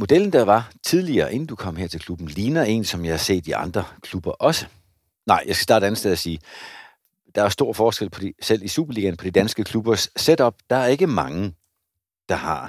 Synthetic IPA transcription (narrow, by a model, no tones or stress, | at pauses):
mo̝d̥el̰n̩d̥ɑʋɑ̈t͡sʰiðˠliɐːʔe̝n̩d̥ukʰɒ̽m̰heɐ̰t͡sʰe̝lkʰlub̥n̩liːnɐe̝̰ːnsɒ̽mjɑ̈ɪhɑ̈se̝̰ːd̥iɑ̈nd̥ʁɐkʰlub̥ɐʔɒ̽sə | nɑ̈ɪ̰jɑ̈ɪsɡæ̥sd̥ɑ̈ːɾəæn̩sd̥eð̩̰ˠɐsiː | d̥ɑ̈æɐsd̥o̝ɐ̰fɒːsɡ̥el̰pʰɒ̽isel̰isṵːb̥ɐliːɡ̥ænpʰɒ̽d̥id̥ænsɡ̥əkʰlub̥ɐsːed̥ɒ̽b̥̚d̥ɑ̈æɐe̝ɡ̥əmɑ̈ŋə | d̥ɑ̈hɑ̈